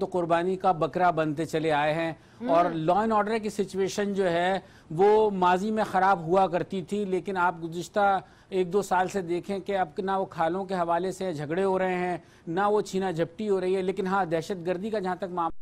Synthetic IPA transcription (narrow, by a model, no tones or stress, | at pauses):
t̪oqʊɾbaːnikabɐkɾabɐ̃nt̪et͡ʃɐleaːeɦɛ̃ː | ɔːɾlɔːɪnɔːɖəɾkisɪt͡ʃueːʃənd͡ʒoːɦɛ | ʋomaːzimẽxɐɾaːbɦuakɐɾt̪it̪ʰileːkɪnaːp̚ɡʊzɪʃt̪a | eːk̚d̪oːsaːlsed̪eːkʰẽkeɐb̚knaʋokʰaːlõk̬eɦɐʋaːleseãd͡ʒʱɐɡɽeɦoɾɐɦẽɦɛ̃ː | naʋot͡ʃʰiːnad͡ʒʱɐpʈiɦoːɾɐɦiɦɛleːkɪnɦãːd̪ɛːʃət̪ɡəɾd̪ʱikad͡ʒɐɦãt̪ɐkmaː